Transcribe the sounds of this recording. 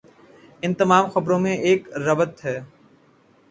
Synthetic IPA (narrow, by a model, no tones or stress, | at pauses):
ɪnt̪əmaːmxəbɾõːmẽʔeːkɾəbət̪ɦɛː